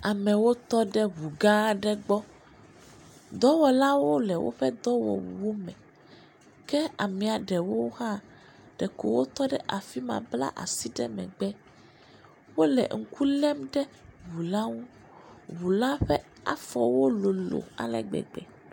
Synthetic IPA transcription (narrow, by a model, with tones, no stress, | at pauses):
a˨mɛ̃˨wo˦t̪ɔ˦ɖɛ˦βu˨ɡã˦ɖɛ˦ɡ͡bɔ˦ | d̪ɔ˦wɔ˨la˦wo˦lɛ˨wo̰˦ɸɛ˦d̪ɔ˦wɔ̰˨wṵ˨wo˦mɛ̃˨ | kɛ˦a˨mĩ˨a˨ɖɛ˨wo˦hã˦ | ɖ̥ɛ˨ko˨wo˦t̪ɔ˦ɖɛ˦ʔa˨fi˦mã̰˨bla̰˦ʔa̰˨si˦ɖɛ̰˦mɛ̰̃˨ɡ͡bɛ˦ | wo˦lɛ̰˨ŋ̩˨ku˦lɛ˦mɖɛ˦βu˨la˦ŋũ˦ | βu˨la˦ɸɛ˦ | a̰˦fɔ˨wo˦lo˨lo̰˨a̰˨lɛ̰˨ɡ͡bɛ̰˨ɡ͡bɛ̰˨